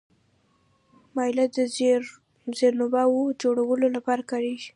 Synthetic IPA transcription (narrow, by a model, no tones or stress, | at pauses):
mɑjlad̪ə | zeɾnʊbawod͡ʒoɽawəlolapɑɾakaɽeʒi̥